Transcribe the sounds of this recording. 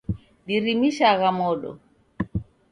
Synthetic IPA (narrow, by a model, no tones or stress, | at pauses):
ɗiɾimiʃaɣamɔɗɔ̰